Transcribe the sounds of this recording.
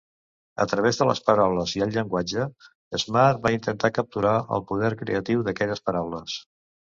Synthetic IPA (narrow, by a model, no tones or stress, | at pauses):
ə̰t̪ɾəβezðələ̰spəɾawləziəlˠʎəŋɡwad͡ʒə | əzmaɾbaint̪ənt̪akəp̚t̪uɾaʔə̰lˠpuðɛɾkɾḛət̪iwðəkɛʎəspəɾawləs